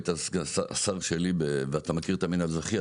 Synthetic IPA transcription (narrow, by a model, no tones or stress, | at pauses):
t̪asɡasaa̰saʁʃelibeveat̪amakiʁet̪aminalzaχia